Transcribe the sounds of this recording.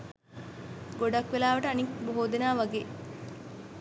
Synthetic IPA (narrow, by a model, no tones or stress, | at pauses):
ɡoɖakʋelaːʋɐʈəanikboɦoːd̪enaːʋaɡeː